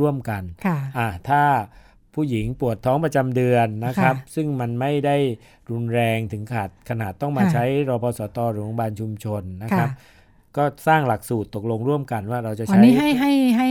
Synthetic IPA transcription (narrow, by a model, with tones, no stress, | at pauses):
u˥˩əmka˧nʰ˩ʔa˧˩t̪ʰaː˥˩ | pʰuː˥˩ji˩˦ŋpu˨˩ət̪ʰːɔː˦˥ŋpɾa˧t͡ɕa˧mdɯ˧ənːa˦˥kʰɾa˦˥p̚sɯ˥˩ŋma˧nma˥˩jda˥˩j | ɾu˧nɾɛː˧ŋt̪ʰɯ˩˦ŋkʰaː˨˩t̪̚kʰa˧naː˨˩t̪ːɔ˥˩ŋmaː˧t͡ɕʰa˦˥jɾɔː˧pʰɔː˧sɔː˩˦t̪ɔː˧ɾɯː˨˩˦ɔ˧baː˧nt͡ɕʰu˧mt͡ɕʰo˧nːa˦˥kkʰɾa˦˥p̚ | kɔː˥˩saː˥˩ŋla˨˩k̚suː˨˩t̪ːo˨˩k̚lo˧ŋɾu˥˩əmka˧nwaː˥˩ɾa˧wt͡ɕa˨˩ʔʰa˦niːjɦa˥˩jɦa˥˩jɦa˥˩